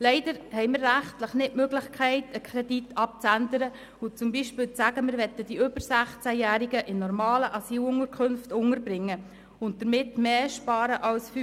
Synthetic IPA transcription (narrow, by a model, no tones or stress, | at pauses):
lɛɪd̥əɾhɛɪmɪːɾrːæχtləχnɪtmøɡlɪχkʰɛɪtəkʰχɾɛd̥itʰːɑp̚t͡sændəɾə | ʊt͡sʊmbiʃpɪːlt͡sæɡəmɪɾʋɛt̪ːəd̥iɵbəɾsæχt͡sæjæːɾiɡəʔɪnnːɔrmɑːləʔɑsiːlʊŋəɾkʰχønftʊŋəɾbɾɪŋːə | ʊntd̥əɾmɪtːmeːʃpɑːɾəʔɑlsfy